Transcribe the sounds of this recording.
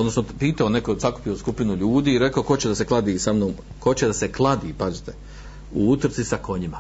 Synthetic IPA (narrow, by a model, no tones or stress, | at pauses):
od̪nosnopiːt̪aonekosaku̥pioskupinuʎuːd̪iːɾe̞kaoko̞t͡ɕed̪ase̞klˠad̪iːsamnoːm | ko̞t͡ɕed̪ase̞klˠad̪iːpazit̪e | uut̪r̩t̪sisako̞ɲima